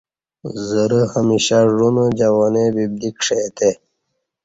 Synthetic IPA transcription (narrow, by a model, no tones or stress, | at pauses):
zəɾəhəmiɕaʐund͡ʑawonebib̚d̪ikʂet̪ʰe